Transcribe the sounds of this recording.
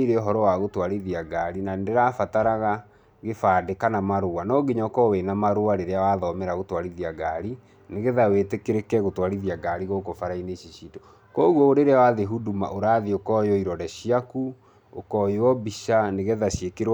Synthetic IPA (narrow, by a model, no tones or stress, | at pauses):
iɾeoɦɔɾɔwaɣotwaɾiðiaɡaɾinandeɾafataɾaɣa | ɣefaːdekanamaɾowanɔɡeɲakɔwenamaɾoaɾeɾeawaðɔmɛɾaɣotwaɾiðiaɡaɾi | neɣeðawetekeɾekɛɣotwaɾiðiaɡaɾiɣokofaɾaineɕiɕiːto | kɔɣwɔoɾeɾeawaðeɦuduma̰ʔoɾaːðiokɔjɔiɾɔdɛɕiaku | okɔjowɔbiɕaneɣɛðaɕjekeɾw